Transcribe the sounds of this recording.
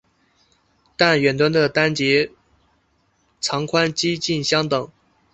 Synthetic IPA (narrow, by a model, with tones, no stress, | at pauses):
t̪a˥˩nɥɛ˨˩nt̪wa˥nd̪ə˨t̪a˥nt͡ɕɛ˧˥ | ʈ͡ʂʰɑ˧˥ŋkʰwa˥nt͡ɕi˥t͡ɕi˥˩nɕjɑ˥ŋt̪ɤ˨˩˦ŋ